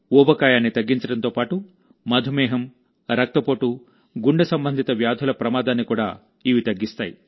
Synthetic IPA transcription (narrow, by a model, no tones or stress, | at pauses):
ɔːbɐkaːjaːnːit̪ɐɡːiɲt͡ʃɐɽɐnt̪oːpaːʈu | mɐd̪ʱumɛːɦɐm | ɾɐk̚t̪ɐpoːʈu | ɡuɳɖɐsɐmbɐnd̪ʱit̪ɐʋjaːd̪ʱulɐpɾɐmaːd̪aːnːikuːɽa̰ː | iːʋit̪ɐɡːist̪aːjḭ